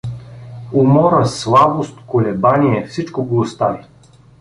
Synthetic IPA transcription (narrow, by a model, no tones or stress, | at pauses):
ʊmɔɾəslˠabost̪kolɛbaniɛfsit͡ʃkoɡˠost̪avi